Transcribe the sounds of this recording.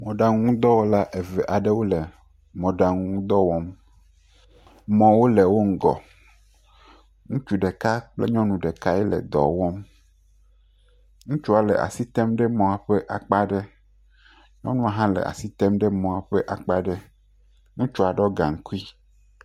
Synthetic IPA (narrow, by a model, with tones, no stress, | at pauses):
mɔ̃˨ɖa˨ŋũ˦ŋũ˦d̪ɔ˦wɔ˦la˦ʔe˨vɛ˨ʔa˨ɖe˦wo˦le˨ | mɔ̃˨ɖa˨ŋũ˦ŋũ˦d̪ɔ˦wɔ˦m | mɔ̃˨wo˦le˨wo˦ŋ̩˦ɡɔ̰˨ | ŋũ˦t͡ʃu˨ɖe˨ka˦k͡plḛ˦ɲɔ̃˦nũ˨ɖe˨ka˦ɛ˦lɛ̰˨d̪ɔ̰˨wɔ̃˦m | ŋũ˦t͡ʃu˦a˨lɛ̰˨ʔa̰˨si˦t̪ɛ˦mɖe˦mɔ̃˨a˨ɸe˦ʔa˨k͡pa˦ɖe˦ | ɲɔ̰̃˦nũ˦a˨ɦã˦lḛ˨ʔa̰˨si˦t̪ɛ˦mɖɛ˦mɔ̃˨a˨ɸe˦ʔa˨k͡pa˦ɖe˦ | ŋũ˦t͡ʃu˦a˨ɖɔ˦ɡã̰˨ŋ̩˦ku˦i˦